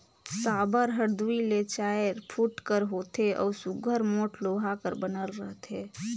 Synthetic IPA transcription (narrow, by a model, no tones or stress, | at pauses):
saːbəɾɦəɾd̪uilet͡ʃajɾpʰuʈkəɾɦot̪eʔɔ̰ːsuɡʱəɾmoːʈloɦakəɾbənəlɾəɦt̪ʰe